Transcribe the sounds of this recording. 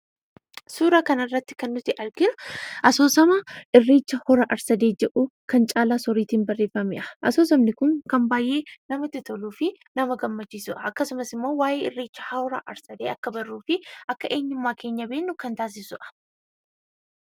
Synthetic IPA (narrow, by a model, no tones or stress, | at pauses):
suːɾaːkɐnɐrːɐt̪ːɪ̥kɐnːʊt̪ɪʔɐɾɡɪnʊ̥ʔɐsoːsɐmaːʔɪrːeːt͡ʃːɐhɔɾɐʔɐɾsɐd̪eːd͡ʒɛʔuːkɐnt͡ʃʼaːlaːsɔɾiːt̪iːnbɐrːe̞ːfːɐmɪʔɐʔɐsoːs̬ɐmnɪkʊŋkɐmbaːjʔe̞ːnɐmɐt̪ɪt̪ɔluːfɪ | nɐmɐɡɐmːɐt͡ʃːisʊʔɐɐkːɐsʊmɐsɪmːo̞ːwaːjeːɪrːeːt͡ʃːɐ̥hɐɔɾa̰ːʔɐɾsɐd̪eːɐkːɐbɐrːuːfɪʔɐkːɐʔe̞ːɲːʊmːaːke̞ːɲːɐbeːnːʊkɐnt̪aːs̬ɪsʊʔɐ̥